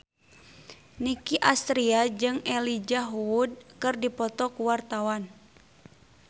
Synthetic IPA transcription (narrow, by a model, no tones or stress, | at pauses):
nikiʔast̪ɾiad͡ʒɨŋɛlid͡ʒaɦuud̚kɨrdipɔt̪ɔkuwart̪awan